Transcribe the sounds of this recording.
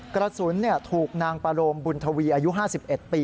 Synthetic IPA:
kɾa˧suː˩˦nːi˥˩ɐt̪ʰuː˨˩k̚naː˧ŋpa˧ɾoː˧mbu˧nt̪ʰa˧wiː˧ʔaː˧ju˦˥ɦaː˥˩si˨˩p̚ʔe˨˩t̪̚piː˧

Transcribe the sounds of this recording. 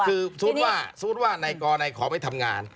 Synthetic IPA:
kʰɯː˧suː˦˥t̪̚waː˥˩suː˦˥t̚waː˥˩na˧jkɔː˧na˧jkʰɔː˩˦ma˥˩jt̪ʰa˧mŋaː˧n

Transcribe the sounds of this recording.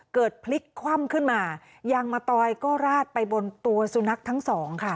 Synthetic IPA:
kɤː˨˩t̪̚pʰli˦˥kʰːwa˥˩mkʰɯ˥˩nmaː˧ | ja˧ŋmaː˧t̪ɔː˧jkɔː˥˩ɾaː˥˩t̪̚pa˧jbo˧nt̪u˧ɐsu˧na˦˥k̚t̪ʰa˦˥ŋsɔː˩˦ŋkʰa˥˩

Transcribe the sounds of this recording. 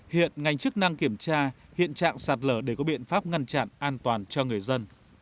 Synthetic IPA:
hḭ˧˨ənŋa˨˩jŋ̟t͡ɕɨ˦˥k̚na˧ŋki˧˩əmt͡ɕaː˧ | hḭ˧˨ənt͡ɕa̰ː˧˨ŋsaː˨˩t̚ləː˧˩ɗe˧˩kɔ˨˦ɓḭ˧˨ənfaː˦˥p̚ŋa˧nt͡ɕa̰˧˨nʔaː˧nt̪waː˨˩nt͡ɕɔ˧ŋɨ˨˩əjzə˧n

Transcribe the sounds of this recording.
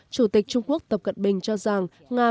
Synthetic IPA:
t͡ɕu˧˩t̪i˨˩k̚t͡ɕʊ˧ŋ͡mku˦˥ək̚t̪ə˨˩p̚kə˨˩n̚ɓï˨˩ŋ̟t͡ɕɔ˧za˨˩ŋ | ŋaː˧

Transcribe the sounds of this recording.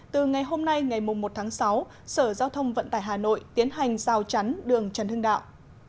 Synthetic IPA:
t̪ɨ˨˩ŋa˨˩jɦo˧mna˧jŋa˨˩jmʊ˨˩ŋ͡mmo˨˩t̚t̪ʰaː˨˦ŋsa˨˦w | səː˧˩zaː˧wt̪ʰə˧wŋ͡mvə̰˧˨nt̪aː˧˩jɦaː˨˩no̰˧˨jt̪i˨˦ənɦa˨˩jŋ̟zaː˨˧˩wt͡ɕa˨˦nɗɨ˨˩əŋt͡ɕə˨˩nt̪ɨ˧əŋɗa̰ː˧˨wʔ

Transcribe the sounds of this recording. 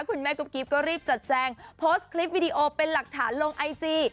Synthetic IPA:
kʰu˧nmɛː˥˩ku˦˥p̚kiː˦˥p̚kɔː˥˩ɾiː˥˩p̚t͡ɕa˨˩t̪̚t͡ɕɛː˧ŋpʰo˦˥skʰli˦˥p̚wiː˧diː˧ʔoː˧pe˧nla˨˩k̚t̪ʰa̰ː˩˦nlo˧ŋʔa˧jt͡ɕiː˧

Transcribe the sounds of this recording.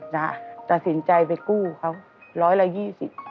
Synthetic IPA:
zaː˧˩taː˨˩sḭ˧˩˨nt͡ɕa˨˧˩jve˨˩ku˧hə˧˦wŋ͡m | lɔ˧˦jlaː˨˩ɣi˧sḭ˧˨n

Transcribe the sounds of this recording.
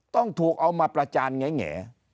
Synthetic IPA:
t̪ɔ˥˩ŋt̪ʰuː˨˩k̚ʔa˧wmaː˧pɾa˧t͡ɕaː˧nŋa˦˥jŋɛ̰ː˩˦

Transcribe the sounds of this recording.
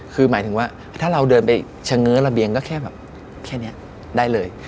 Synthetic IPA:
kʰɯː˧maː˩˦jt̪ʰɯ˩˦waː˥˩ | t̪ʰaː˥˩ɾa˧wdɤː˧npa˧j | t͡ɕʰa˧ŋːɯː˦˥ɾa˧bi˧əŋkɔː˥˩kʰɛː˥˩bɛː˨˩p̚ | kʰɛː˥˩ni˦˥ɐ | daː˥˩jlɤː˧j

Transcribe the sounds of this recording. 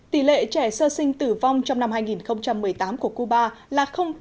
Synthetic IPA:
t̪i˧˩lḛ˧˨t͡ɕɛ˧˩səː˧sï˧ŋ̟t̪ɨ˧˩va˧wŋ͡mt͡ɕɔ˧wŋ͡mna˧mhaː˧jŋi˨˩nxə˧wŋ͡mt͡ɕa˧mːɨ˨˩əjt̪aː˨˦mku˧˩əku˧ɓaː˧laː˨˩xə˧wŋ͡m

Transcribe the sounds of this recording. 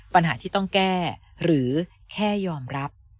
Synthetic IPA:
pa˧nɦaː˩˦t̪ʰiː˥˩t̪ɔ˥˩ŋkɛː˥˩ɾɯː˩˦ | kʰɛː˥˩jɔː˧mɾa˦˥p̚

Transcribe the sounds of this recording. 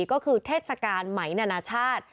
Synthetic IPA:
kɔː˥˩kʰɯː˧t̪ʰeː˥˩t̪̚sa˧kaː˧nma˩˦jnaː˧naː˧t͡ɕʰaː˥˩t̪̚

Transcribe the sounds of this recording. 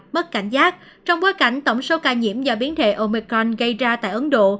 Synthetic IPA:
mə˦˥t̚ka˧˩jŋ̟zaː˦˥k̚ | t͡ɕɔ˧wŋ͡mɓoː˨˦jka˧˩jŋ̟t̪ə˧˩wŋ͡mso˨˦kaː˧˩ɲḭ˧˩˥əmvaː˨˩ɓi˨˦ənt̪ʰḛ˧˨ʔo˧mi˧kɾɔ˧nɣə˧jzaː˧t̪a̰ː˧˨jʔə˨˦nɗo̰˧˨

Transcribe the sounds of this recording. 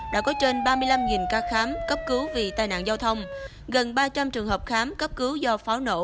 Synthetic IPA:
ɗa̰ː˧˥kɔ˨˦t͡ɕe˧nɓaː˧mɨ˧əjla˧mŋi˨˩nkaː˧xaː˨˦mkə˦˥p̚kɨ˨˦wvi˨˩t̪aː˨˩jna̰ː˧˨zaː˧wt̪ʰə˧wŋ͡m | ɣə˨˩nɓaː˧t͡ɕa˧mt͡ɕɨ˨˩əŋɦəː˨˩p̚xaː˨˦mkə˦˥p̚kɨ˨˦wzɔ˧faː˨˦wno̰˧˨

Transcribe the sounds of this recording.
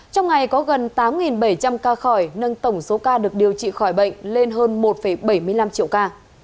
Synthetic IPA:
t͡ɕɔ˧wŋ͡mŋa˨˩jkɔ˨˦ɣə˨˩nt̪aː˨˦mŋi˨˩nɓə˧˩jt͡ɕa˧mkaː˧xɔ˧˩jnə˧nt̪ə˧˩wŋ͡mso˨˦kaː˧ɗɨ˨˩ək̚ɗi˨˩əwt͡ɕḭ˧˨xɔ˧˩jɓə̰˧˨ŋ̟le˧nɦəː˧nmo˨˩t̚fə˧˩jɓə˧˩jmɨ˧əjla˧mt͡ɕḭ˧˨əwkaː˧

